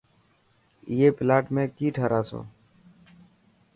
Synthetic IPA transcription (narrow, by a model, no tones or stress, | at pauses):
jeːpɪlaːʈmẽːkiːʈʰaːɾaːso̰ː